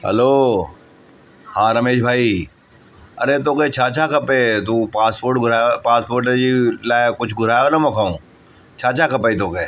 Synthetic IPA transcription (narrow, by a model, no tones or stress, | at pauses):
hə̰loː | hãːɾɐmeːʃbʱaːi | ɐ̰ɾet̪̬oːket͡ʃʰaːt͡ʃʰakɐpeːt̪̬ũpaːspoːɾʈɡʱʊɾaːjpaːspoːɾʈed͡ʒilaːkʊt͡ʃʰɡʱʊɾaːjonɐmɐkʰaːũː | t͡ʃʰaːt͡ʃʰakɐpeit̪̬oːkeː